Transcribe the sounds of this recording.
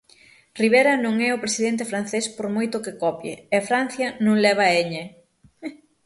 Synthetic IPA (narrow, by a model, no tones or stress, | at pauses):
riβ̞eɾɐnõŋɛʊpɾesiðent̪̬ɪfɾan̟θespoɾmojt̪ʊkɪkɔpjɪ̰ɛɐfɾan̟θjɐnũŋlɛβ̞ɐeɲe